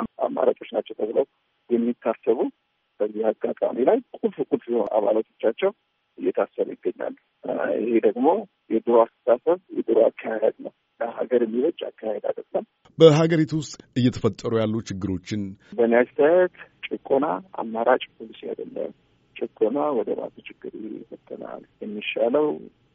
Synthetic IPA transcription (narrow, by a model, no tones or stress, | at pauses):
a̰mːa̰ɾat͡ʃʼo̞t͡ʃnat͡ʃːɛwt̪ʰəβləw | jɛmːit̪ʰːasəβu | b̥əzːihaɡːat̪ʼa̰milajkʼulfkʼulfihonʔa̰βalat̪ʰo̞̥t͡ʃːat͡ʃːɛw | ʔɨjːɛt̪ʰasəβṵjɪɡːəɲːa̰lː | ɪ̰hed̪əɡmo̞ | jɛd̪ʼɨɾoasɨ̥sasəβjɛ̰d̪ʼɨɾoa̰kʰːajahed̪nəw | ləɦaɡəɾmːiwɔt͡ʃʼːa̰kʰːahed̪a̰d̪əɡləm | bəɦaɡəɾit̪ʰuwʊst̪ʼɨjːɛt̪ʰəfət̪ʼːəɾujalːut͡ʃɪɡːɨɾo̞t͡ʃːɪnbənijad͡ʒsajɛt̪t͡ʃʼɨkʼonaa̰mːaɾat͡ʃʼpʰolisija̰d̪əlːə̰m | t͡ʃʼɨkʼːonawɔd̪əma̰t̪ʰət͡ʃʰɪɡːɨɾɪhḛfət̪ʼːəna̰ljɛmːiʃaləw